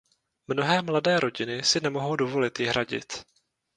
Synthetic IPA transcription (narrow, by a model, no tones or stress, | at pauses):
mno̞ɦɛːmladɛːɾʔo̞ɟɪnɪsɪnɛmo̞ɦo̞wdovo̞lɪt̪jɪɦɾaɟɪ̰t̪